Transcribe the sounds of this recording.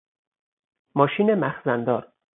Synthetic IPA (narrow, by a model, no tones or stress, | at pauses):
mɒːʃiːnemæxzænd̪ɒːɾ